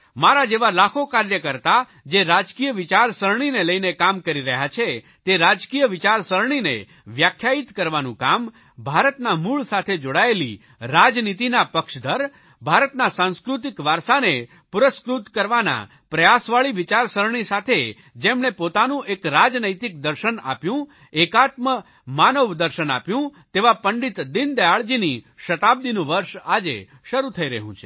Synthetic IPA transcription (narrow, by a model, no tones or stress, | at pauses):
maɾad͡ʒeʋalakʰokaɾjəkəɾt̪a | d͡ʒeɾad͡ʒkijəʋɪt͡ʃaɾsəɾɳ̃ineləinekamkəɾiɾəɦjat͡ʃʰe | t̪eɾad͡ʒkijəʋɪt͡ʃaɾsəɾɳ̃inḛ | ʋjakʰjait̪kəɾʋanũkam | bʱaɾət̪namuɭsat̪ʰed͡ʒoɽaelḭ | ɾad͡ʒnit̪inapəkʃd̪ʱəɾ | bʱaɾət̪nasãñskɾut̪̬ikʋaɾsane | puɾəskɾut̪kəɾʋana̰ | pɾəjasʋaɭiʋit͡ʃaɾsəɾɳ̃isat̪ʰe | d͡ʒemɳ̃epot̪anũʔekɾad͡ʒnəjt̪ik̚d̪əɾʃəna̰pjũ | ekat̪mə | manəʋd̪əɾʃəna̰pjũt̪eʋapəɳɖit̪d̪ind̪əjaɭd͡ʒiniʃət̪ab̚d̪inũʋəɾʃad͡ʒḛ | ʃəɾut̪ʰəiɾəɦṵ̃t͡ʃʰe̥